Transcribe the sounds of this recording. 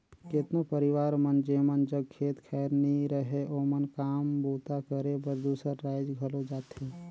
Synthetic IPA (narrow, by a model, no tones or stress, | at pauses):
ket̪nopəɾɪʋaːɾmənd͡ʒeːmənd͡ʒəɡ̚kʰeːt̪kʰɛːjɾnĩɾəɦeʔoːmənkaːmboːt̪akəɾebəɾd̪uːsəɾːaːɪd͡ʒɡʱəlõd͡ʒaːt̪ɦe